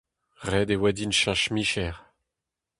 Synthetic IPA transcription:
ʁɛd̪ewɛd̪inʃãʃmiʃɛʁ

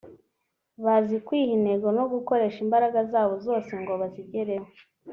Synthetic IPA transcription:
βazikwiːhineɡo̞no̞ɡuko̞ɾeʃimbaɾaɡazaːβo̞zo̞ːseŋɡo̞βaziɟeɾemo

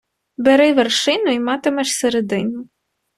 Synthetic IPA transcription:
beɾɪʋerʃɪnʊimɑt̪ɪmɛʃseɾed̪ɪnʊ

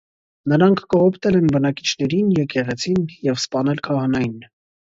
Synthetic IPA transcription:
nəɾɑŋkʰkəhɔpʰt̪ɛlɛnbənɑki̥t͡ʃʰnɛɾinjɛkɛʁɛt͡sʰinjɛvspɑnɛlkʰɑhɑnɑjin

